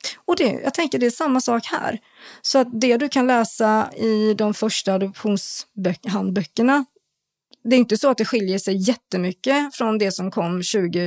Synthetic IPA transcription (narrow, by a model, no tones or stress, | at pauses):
ɔd̪ɛ̰jɑ̰ɡt̪ʰɛŋkəɖɛːʂamːasɑːkhæ̰ːɾ | sɔat̪̚d̪ɛd̪ɵkʰanlɛːsaɪd̪ɔmfœʂʈaːd̪ɔpɧuːnsbœɦand̪bœkːəɳa | d̪ɛɾʏnt̪əsɔat̪̚d̪ɛɧɪljəʂɛjːɛt̪ːəmʏkːəfɾɔnd̪ɛsɔmkʰɔmːɕʉ̟ːɡə